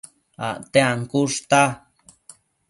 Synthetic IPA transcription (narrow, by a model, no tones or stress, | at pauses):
a̰ʔt̪eaŋkuʂt̪a